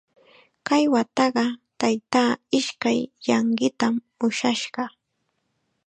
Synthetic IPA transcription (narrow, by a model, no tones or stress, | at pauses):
kajwat̪ɑɢɑt̪ajt̪aːɪʃkajːɑɴɢɪt̪am | ʊʃaʃɢɑ